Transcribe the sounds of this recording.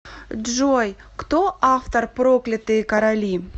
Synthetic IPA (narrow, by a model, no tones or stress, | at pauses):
dʒoj | kt̪oʔaft̪orproklʲɪt̪ɨkɐɾɐlʲi